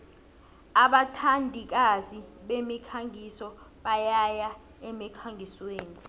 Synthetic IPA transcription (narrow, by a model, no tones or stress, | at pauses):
aɓatʰandʱik̬aziɓemikʰaŋʱisɔ | ɓajaja | ɛmikʰaŋʱisweːni